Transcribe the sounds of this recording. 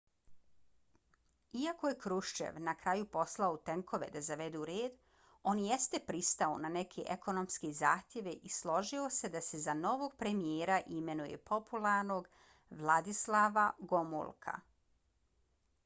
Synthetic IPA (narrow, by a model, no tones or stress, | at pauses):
iako̞je̞kɾuʃt͡ʃḛʋnakɾajupo̞slˠaot̪eŋkʰo̞ʋe̞̰d̪azaʋe̞d̪uɾeːd̪ | o̞nje̞st̪e̞pɾist̪aonane̞kʰeʔeko̞no̞mskizaːxt̪ʲje̞ʋeʔislˠo̞ʒio̞se̞d̪ase̞zano̞ʋoːɡ̚pɾe̞mijeːɾaʔime̞nujḛpo̞pulˠaɾno̞ɡ | ʋlˠad̪islˠaʋaɡo̞mṵlˠkʰa̰